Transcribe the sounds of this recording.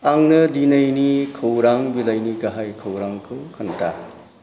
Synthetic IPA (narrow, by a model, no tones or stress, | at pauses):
aŋnɯdinɐjnikʰɯwɾaŋbilajniɡɐɦajkʰɐwɾaŋkʰɯkʰɐntʰa̰